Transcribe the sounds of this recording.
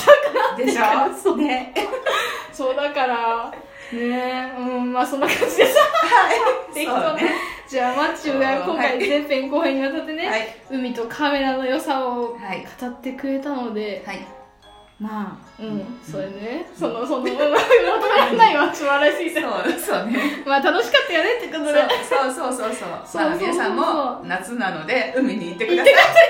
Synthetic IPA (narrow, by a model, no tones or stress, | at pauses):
t̪akaad̪ | so̞ːd̪akaɾa | ne̞ɯ̟̃maːsõ̞nːakʰãɲ̟d͡ʑid̪eɕt̪a | t̪ekit̪od͡ʑaːmat͡ɕːɨɡakõ̞ŋkaizẽ̞mpẽ̞ŋko̞ːhẽɲːiβat̪̬at̪ːe̞ne̞ɯ̟mʲit̪o̞kʰame̞ɾano̞jo̞saoakʰḁt̪at̪ːe̞kɯ̟ɾe̞t̪ano̞d̪e̞hai | ma | ɯ̟̃ɴsoenesonosonomonkot̪oɾanaiβasɨβaɾaɕiːsaosonemaːt̪ano̞ɕi̥kat̪ːajone̞t̪ːekot̪oɾesoːsoːsoːsoːsoaːsosãmonat͡sɨnano̞d̪e̞ɯ̟mʲiɲ̟iːt̪ːekɯtd̪aekɯasa